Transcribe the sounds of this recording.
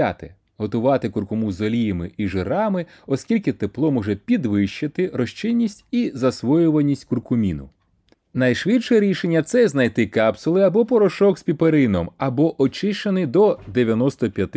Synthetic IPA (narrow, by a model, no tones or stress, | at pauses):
a̰t̪ɪ | ɦɔt̪ʊʋɑt̪ɪkʊrkʊmuzɔlʲijɐmɪʔiʒeɾɑmɪ | ɔskʲilʲkɪt̪eplˠɔmɔʒɛpʲid̪ʋɪʃt͡ʃɪt̪ɪɾɔʃt͡ʃɪnʲːisʲtʲizɐsʋɔjʊʋɐnʲːisʲtʲkʊrkʊmʲinʊ̰ | nɐjʃʋɪt̪ʃɛɾʲiʃenʲːɐt̪sɛznɐjt̪ɪkɑpsʊlˠɪɐbɔpɔɾɔʃɔkspʲipeɾɪnɔmɐbɔʔɔt͡ʃɪʃt͡ʃenɪjd̪ɔd̪eʋʲjɐnɔst̪ɔpʲjɐt̪ɪ